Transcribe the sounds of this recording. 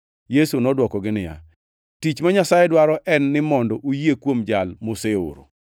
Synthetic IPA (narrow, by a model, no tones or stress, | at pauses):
jesunɔdwɔkɔɡɪnɪja̰ | tit͡ʃmaɲasajɛdwaɾɔʔɛnːɪmɔndɔʔojekwomd͡ʒalmoseo̰ɾo̰